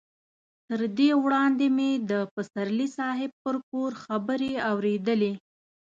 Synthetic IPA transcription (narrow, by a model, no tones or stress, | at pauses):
t̪əɾd̪ewɽɑnd̪emed̪əpəsaɾlisɑɦɪb̚pəɾpoɾxabəɾeawɾed̪əle